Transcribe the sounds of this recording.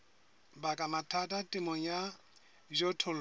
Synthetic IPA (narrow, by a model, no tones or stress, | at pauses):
bakʼamatʰatʼatʼɪmɔja | ʒɔtʰɔl